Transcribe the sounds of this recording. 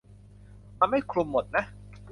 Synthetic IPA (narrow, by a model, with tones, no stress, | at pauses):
ma˧nma˥˩jkʰlu˧mːo˨˩t̪̚na˦˥